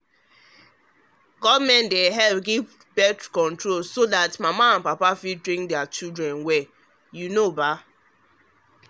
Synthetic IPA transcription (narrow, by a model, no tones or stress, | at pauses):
ɡɔdmɛ̃ndeɦɛlp̚ɡiv | bɛtkɔ̃ntɹolsodatmamaãnpapafidɾĩŋk̚dɛat͡ʃildɾɛ̃nwɛ | junoba